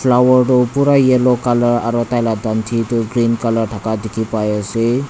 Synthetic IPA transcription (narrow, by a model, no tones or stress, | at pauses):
pʰlawʌrɖopuɾajelokalʌɾaɾɔt̪ajlad̪ʌnt̪ʰit̪oɡɾinkʌlʌrʈʰʌkad̪ekʰipajose